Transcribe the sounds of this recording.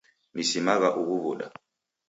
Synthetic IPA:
misimak̬aʔuk̬uɓuːɗa̰

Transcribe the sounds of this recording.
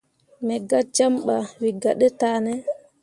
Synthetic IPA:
mɛɡad͡ʒamɓawiɡaɗɛtaːnɛ

